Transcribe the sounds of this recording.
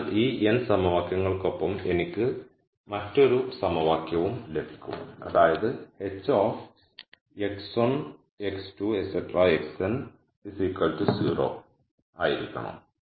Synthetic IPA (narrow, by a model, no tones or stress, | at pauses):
iːensɐmɐʋaːkjɐŋːɐɭko̞pːɐme̞nikʲːɨ | mɐtːo̞ɾusɐmɐʋaːkjɐʋumlebʱikʲːṵmɐ̰ðaːjɐðɨhe̞t͡ɕːoːf | ekson | ekstuesetːɐraeksen | disikːɐltɨsiːro̞̰ː | aːjiɾikʲːɐ̰ɳɐ̰m